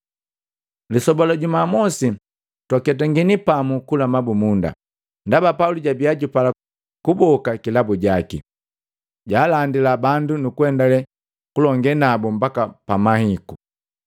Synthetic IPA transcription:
lisɔbɔlɔɟumamɔsi | takɛt̬aŋɡinipamukulamabumunda̰ | ndabapauluɟabiaɟupala | kubɔkakilabuɟakḭ | ɟaːlandilabandunukuɛndalɛ | kulɔŋɡɛnabɔm̩bakapamahiku

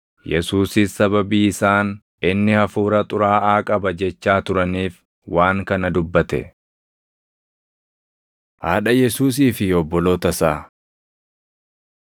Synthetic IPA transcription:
jɛsuːsɪsːɐbɐbiːɪsaːn | ʔɪnːɪhɐfuːɾɐt̪ʼʊɾaːʔaːkʼɐbɐd͡ʒɛt͡ʃːaːt̪ʊɾɐniːf | waːŋkɐnɐd̪ʊbːɐt̪ɛ̰ | haːᶑɐjɛsuːs̬iːfɪɔbːɔlo̞ːt̪ɐsaː

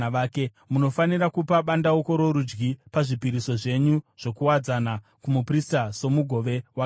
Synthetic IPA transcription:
aːke | muno̞fanirakupaɓandaoko̞ɾo̞ɾud͡ʒɡipaʐipiɾiso̞ʐe̞ɲuʐ̥o̞kuwad͡zana | kumupristaso̞muɡʱo̞ʋe̞wa

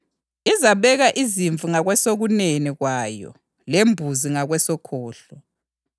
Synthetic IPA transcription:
izaβɛɣaʔiziɱvuŋaɣwɛsoɣuneniɣwaːjɔ̰ | lembʱuziŋaɣwɛsɔkʰɔːɬɔ

